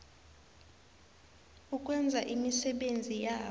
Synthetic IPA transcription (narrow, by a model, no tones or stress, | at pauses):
ukʼwɛnd͡zʱaʔimisɛɓend͡zʱijaː